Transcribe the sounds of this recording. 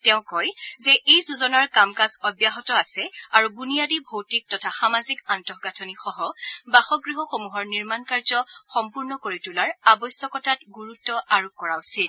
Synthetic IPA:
tɛʊ̃kɔjzɛʔejsuzɔnaɹkamkasɔbjaɦɔtɔasɛaɹubunijadibʱowtik̚tɔtʰaxamazikantɔɦɡatʰɔnixɔɦɔbaxɔɡɹiɦɔxomuɦɔɹniɹmankaɹzɔxɔmpuɹnɔkoɹitulaɹabɔjsjɔkɔtat̚ɡuɹutːɔʔaɹukɔɹaʊsil

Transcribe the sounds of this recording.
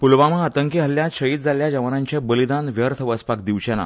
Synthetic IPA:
pulʋaməat̪əŋkiɦəljat̪ɕəiːt̪̚d͡zʱaljad͡ʑəʋanaɲt͡ɕebəlid̪anʋjəɾt̪ʰəʋəspak̚d̪iʋt͡ɕena̰

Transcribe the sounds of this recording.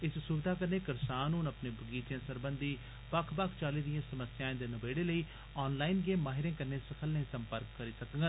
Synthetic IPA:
ɪssubɪd̪aːkəɾneːkəɾsaːnuːnəpnẽːbʱəɡiːt̪jãːsəɾbənd̪iː | pəkʰpəkʰt͡ʃaːliːd̪ɪjãːsəməsjãːẽːd̪eːnəbeːɽeːləiː | ɔːnlaːinɡẽːmaːɦɪɾẽːkəɾneːsəkʰəlneĩːsəmpəɾkːəɾiːsəkəŋɡə

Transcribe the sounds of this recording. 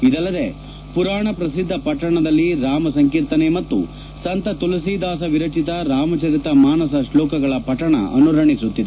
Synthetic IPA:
id̪ɐlːɐd̪e | puɾaːɳɐpɾɐsid̪ʱːɐpɐʈːɐɳɐd̪ɐlːiɾaːmɐsɐŋkiːɾt̪ɐnemɐt̪ːṵ | sɐnt̪ɐt̪ulɐsid̪aːsɐʋiɾɐt͡ʃit̪ɐɾaːmɐt͡ʃɐɾit̪ɐmaːnɐsɐʃlɔːkɐɡɐɭɐpɐʈːɐɳɐ̰ɐ̰nuɾɐɳisut̪ːid̪e

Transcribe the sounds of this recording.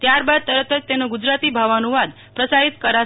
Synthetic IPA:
t̪jaɾbad̪̚t̪əɾət̪ʰət̪t̪enoɡud͡ʒɾat̪ibʱaʋanuʋad̪ | pɾəsaɾit̪kəɾa

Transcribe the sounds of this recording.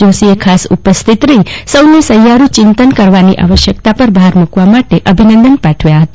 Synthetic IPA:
osiekʰasṵpəst̪ʰit̪ɾəisəwnesəɦjaɾũt͡ʃɪnt̪ənkəɾʋanḭʔa̰ʋəʃjəkt̪apəɾbʱaɦaɾmukʋamaʈeʔəbʱinə̃nd̪ənpaʈʰʋjaɦət̪a

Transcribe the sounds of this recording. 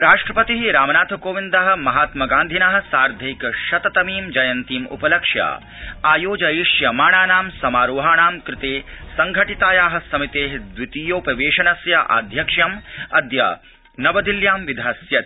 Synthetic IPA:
ɾaːʂʈɾɐpɐt̪iɦiɾaːmɐnaːt̪ʰɐkoːʋind̪aːɦɐ̆mɐɦaːt̪mɐɡaːnd̪ʱinaɦɐ̆saːɾd̪ʱɐjkʃɐt̪ɐt̪ɐmiːmd͡ʒɐjɐnt̪iːmṵpɐlɐkʂjɐ̰ | aːjoːd͡ʒɐjiʂjɐmaːɳaːnaːmsɐmaːɾoːɦaːɳaːmkɾɪt̪eːsɐŋɡʱɐʈit̪aːjaːɦɐ̆sɐmit̪eːɦd̪ʋit̪ijoːpɾɐʋeːʃɐnɐsjɐʔa̰ːd̪ʱjɐkʂjɐmɐd̪jɐ̰ | nɐʋɐd̪iljaːmʋid̪ʱɐːsjɐt̪

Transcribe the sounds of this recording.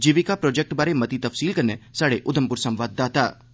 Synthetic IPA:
d͡ʒiʋikapɾɔːd͡ʒɛk̚ʈbaːɾemɐt̪it̪ɐfsiːlkɐɾnesaːɽeʔʊd̪əmpʊɾsəmʋaːd̪ːaːt̪a̰ː

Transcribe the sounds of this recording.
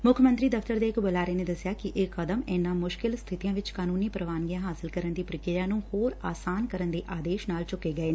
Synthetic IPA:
mʊkʰmənt̪ɾiːd̪əft̪əɾd̪eːɪkbəlaːɾeːneːd̪əsːɪjaːkɪʔeːkːəd̪əmɛːnãːmʊʃkɪlst̪ʰɪt̪ijãːʋɪt͡ʃkaːnuːniːpɾəʋaːnɡijãːɦaːsɪlkəɾənd̪iːpɾɪkɪɾjãːnũːhoːɾaːsaːnkəɾənd̪eːʔaːd̪eːʃnaːlt͡ʃʊkːeːɡəeː

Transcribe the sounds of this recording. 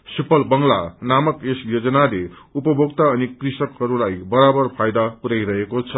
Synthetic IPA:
sipʌlbʌŋla̰namʌkesjod͡zʌnale | upʌbʱoɡt̪aʌnikrisʌkɦʌɾulajbʌɾabʌrpʰajd̪apuɾajɾʌɦekot͡sʰʌ

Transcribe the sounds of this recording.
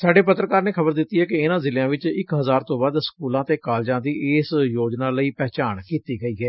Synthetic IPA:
saːɖeːpət̪ːɾəkaːɾneːkʰəbəɾd̪ɪt̪ːiːɦɛːkɪɪnãːzɪljãːʋɪt͡ʃɪkɦəzaːɾt̪õːbaːd̪skuːlãːt̪eːkaːld͡ʒãːd̪iːʔeːsjoːd͡ʒnãːləiːpɛːt͡ʃaːɳkiːt̪iːɡəiːɡɛː

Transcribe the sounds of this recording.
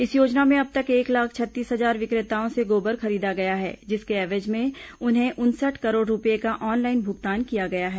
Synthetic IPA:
ɪsjoːd͡ʒnamẽɐb̚t̪ɐkeːklaːk̚ʰt͡ʃʰɐt̪ːiːsɦɐzaːɾʋɪkɾɪt̪aːõseɡoːbəɾxɐɾiːd̪aɡɐjaɦɛ̰ːd͡ʒɪskeɛːʋed͡ʒmẽʊnɦẽʔʊnsəʈʰkɐɾoːɖɾʊpjekaʔɔːnlaːɪnbʱʊɡt̪aːnkijaɡɐjaɦɛː

